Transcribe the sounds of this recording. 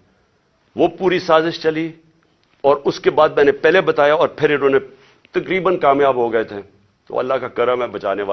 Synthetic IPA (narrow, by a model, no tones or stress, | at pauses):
ʋoːpuːɾisaːzɪʃt͡ʃɐli | ɔːɾʊskebaːd̪̚mɛ̃ːnepɛːɦlebɐt̪aːjaɔːɾpʰɪɾɪnõːne | t̪ɐkɾiːbənkaːmjaːbɦoɡɐet̪ʰe | t̪o̰ːɐ̰lːaɦkakɐɾəmɦɛ̃bɐt͡ʃaːneʋaː